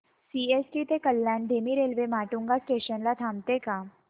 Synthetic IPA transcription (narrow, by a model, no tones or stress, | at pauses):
siːesʈit̪ekəlːaːɳɖ̪ʱeːmiɾeːlʋemaːʈũŋɡasʈeːɕənlat̪ʰaːmt̪eka